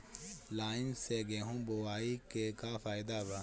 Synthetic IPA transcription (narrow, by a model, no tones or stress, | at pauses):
laːɪnseɡeɦũːbowaːikekafaːjɪd̪aba